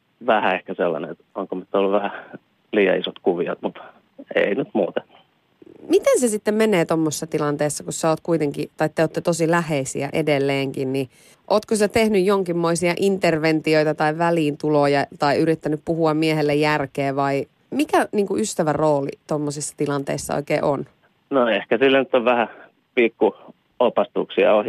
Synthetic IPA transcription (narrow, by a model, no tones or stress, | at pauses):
ʋæhæehkæselːɑ̰nḛet̪oŋkomyt̪ːolːuʋʋæhæ | liːjɑ̰isot̪kuʋiɑ̰t̪mut̪ | ḛinyt̪muːt̪en̥ | mit̪ensesit̪ːemmeneːt̪omːosːɑt̪ilɑnt̪eːsːɑkussɑoːt̪kuit̪eŋkit̪ɑit̪ːeot̪ːet̪osilæheisḭæ̰ʔḛdelːeːŋkinni | ʔoːt̪kosæt̪ehnyjjoŋkimːoisiɑʔint̪erʋent̪ioit̪ɑt̪ɑiʋæliːnt̪ulojɑt̪ɑiyɾit̪ːænyppuhuɑmmieɦelːejjærkeːʋɑi | mikæniːŋkuyst̪æʋæroːlḭt̪omːosisːɑ̥t̪ilɑnt̪ḛisːɑ̰o̰ikeːʔon | noehkæsilːænyt̪ːoʋʋæhæ | pikːu | opɑst̪uksiɑ̰oh